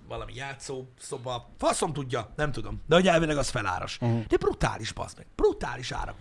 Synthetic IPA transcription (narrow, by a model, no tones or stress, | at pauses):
vɒlɒmḭjaːt̪soːsobɒfɒso̞mt̪uɟːɒnɛmt̪ud̪o̞md̪ɛoɲɛlvelɛɡɒsfɛla̰ːɾo̰ʃd̪ɛbrut̪a̰ːliʃbɒ̰smɛɡb̥rut̪a̰ːliʃa̰ːɾɒ̰k